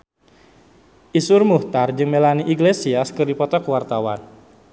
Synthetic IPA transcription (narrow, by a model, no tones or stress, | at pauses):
ʔisurmuht̪ard͡ʒɨŋmelaniʔiɡlesiaskɨrdipɔt̪ɔkuwart̪awa̰n